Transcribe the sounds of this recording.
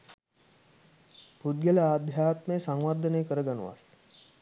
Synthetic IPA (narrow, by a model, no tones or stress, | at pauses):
pud̪̚ɡeləaːd̪ʱjaːt̪məjəsaŋʋard̪ʱənejkəɾəɡanṵʋa̰s